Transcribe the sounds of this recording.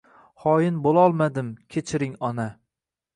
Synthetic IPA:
hɒjɪnbolˠɒlˠmad̪ɪmkʲʰet͡ʃʰɪɾɪŋɒna

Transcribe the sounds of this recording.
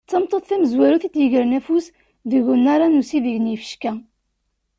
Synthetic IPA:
t͡sːɑmt̪ˤːoðˤθæməzwæɾuθit̪jəʝəɾnæfus | ðəʝunːaɾˤanusiðiʝənjifə̥ʃkæ

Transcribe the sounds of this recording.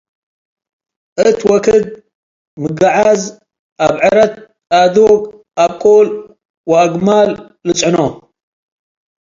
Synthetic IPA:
ʔɨt̪wɔkʰɨd̪̚ | mɨɡaʕaz | ʔaβʕɨɾɐt̪̚ | ʔad̪oɡ | ʔaβkʼol | waɡmalː | ɨt͡sʼʕɨno

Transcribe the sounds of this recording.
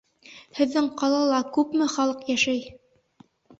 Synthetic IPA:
hɘ̆ðːɘŋqɑlˠɑlˠɑkʉpmɘχɑlˠɤqjæʃæj

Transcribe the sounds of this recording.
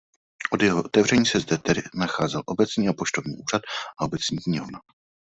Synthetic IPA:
ʔo̞d̪jɛɦoʔot̪ɛvr̝ɛɲiːsɛzdɛt̪ɛdɪnaxaːzɛlʔo̞bɛt͡sɲiːapo̞ʃt̪ovɲḭːʔuːr̝at̪ʔao̞bɛt͡sɲiːkɲiona

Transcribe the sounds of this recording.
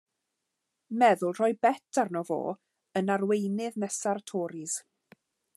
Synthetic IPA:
mɛðʊlˠr̥ɔjbɛtʰarnɔvo̰ː | ənarwejnɪðnɛsartʰɔːɾɪz̥

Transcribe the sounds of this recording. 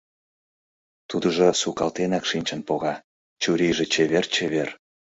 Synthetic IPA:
t̪ud̪əʒosukɑlt̪enɑkʃinʲt͡ɕə̆npoɣɑ | t͡ɕuɾiʒet͡ɕeβert͡ɕeβer

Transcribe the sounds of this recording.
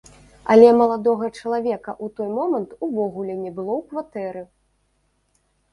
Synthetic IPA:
a̰lʲɛmɐlˠad̪ɔɣɐt͡ʂɐlˠavʲɛkɐʔut̪ɔjmɔmɐnt̪uvɔɣulʲɛnʲɛbɨlˠɔwkvat̪ɛɾɨ

